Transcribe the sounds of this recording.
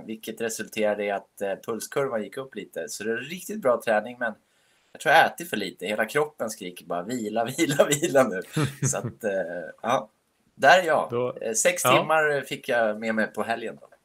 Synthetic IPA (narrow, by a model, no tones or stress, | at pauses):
vɪlkːət̪ɾɛsɵlt̪ʰeːɾad̪ɪat̪pʰɵlskʰɵɾvanjɪkːɵpːliːt̪əsɔd̪ɛɛɛnɾɪk̚t̪ɪt̪̚bɾɑːt̪ʰɾɛːnɪŋmɛn | jjɑkt̪ʰɾuːjaɛːt̪ɪfœɭiːt̪əheːlakʰɾɔpːənskɾiːkəɾbɑ̰ːɾaviːlaviːlaviːlanʉ̟ːsɔat̪ | ɑː | d̪æɾæjɑ̰ːsɛkst̪ʰɪmːaɾfɪkːjameːmɛpʰɔɦɛljənd̪ɔ̰